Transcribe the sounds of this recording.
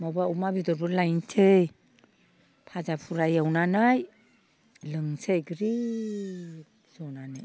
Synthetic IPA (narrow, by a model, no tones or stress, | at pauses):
mabaumabidɔɾulajnt͡ʃʰej | pʰad͡ʒapʰuɾajawnanaj | lɯŋsejɡɾi | zonana